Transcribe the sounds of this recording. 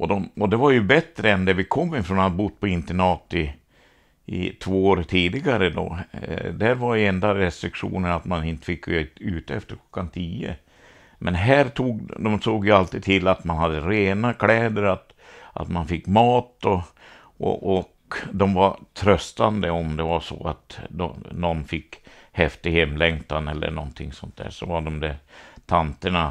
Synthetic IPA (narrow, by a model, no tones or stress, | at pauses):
ɔd̪ɔmɔd̪ɛvaɾjɵbɛt̪ɾəɛnd̪ɛvɪkʰɔmːɪfɾɔnad̪bʊd̪ːpʰɔɪnt̪əɳɑːt̪ɪ | ɪ̰t̪ʰvoːoːɾt̪ʰiːd̪ɪɡaɾəd̪ɔ̰d̪æɾvaɾjɛnd̪aɾɛst̪ɾɪkʂṵːnəɳat̪manɪnt̪ə̥fɪkːʉːt̪əɛft̪əɾkʰl̥ɔ̥kːant̪ʰiːə̰ | mʔɛnɦæːɾt̪ʰuːɡd̪ɔmsoːɡjəalt̪iːd̪̚t̪ʰɪlːat̪manhad̪ːəɾeːnakʰlɛːd̪əɾat̪ | ʔa̰t̪manfɪkːmɑːt̪ɔ | ʔɔ̰ʔɔkd̪ɔmvaɾt̪ʰɾœst̪and̪əɔmd̪ɛvaʂɔ̰a̰t̪d̪ɔ̰nɔnːfɪkːhɛft̪ɪhɛmlɛŋt̪anɛlːə̰ɳɔnt̪ʰɪŋːsɔnt̪̚d̪æ̰ːʂɔvaɖɔmd̪ɛɾt̪ʰant̪əɳa